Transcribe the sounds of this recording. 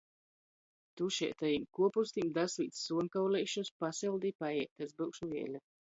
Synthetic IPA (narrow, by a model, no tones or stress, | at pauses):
t̪uʃḭɛt̪ajimkuɔpust̪imd̪asliːt̪sːuɔŋkawlɛjʃuspasɛlˠd̪ipajɛk̚t̪azbɨkʃuviɛlʲa